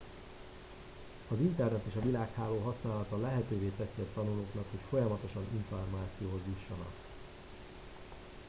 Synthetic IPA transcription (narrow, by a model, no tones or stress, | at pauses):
ɒzint̪ɛrnɛt̪eːʃɒvilaːkhaːloːɦɒsnaːlɒt̪ɒlɛɦɛt̪øːveːt̪ɛsiɒt̪ɒnuloːknɒkho̞cfo̞jɒmɒt̪o̞ʃɒniɱformaːt̪sijoːɦozjuʃːɒnɒ̰k